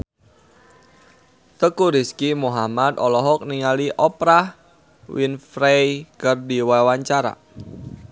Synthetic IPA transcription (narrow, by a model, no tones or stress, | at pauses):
t̪əkuɾiskimuɦamat̪ɔlɔɦɔk̚niŋaliʔɔpɾah | winfɾejkərdiwawaɲt͡ʃaɾa̰